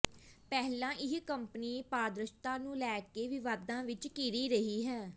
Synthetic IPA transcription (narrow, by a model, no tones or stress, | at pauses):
pɛːɦlãːʔɪɦkəmpəniːpaːd̪ɾəʃt̪ãːnũːlɛːkeːʋɪʋaːd̪ãːʋɪt͡ʃkiːɾiːɾəɦiːɦɛː